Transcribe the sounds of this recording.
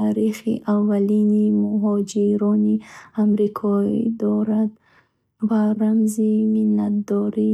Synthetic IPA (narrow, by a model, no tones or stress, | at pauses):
aɾiχḭʔavːalinimuɦɔd͡ʒiɾɔniamɾikʰɔid̪ɔɾad̪ | vaɾamziminːat̪̚d̪ɔɾi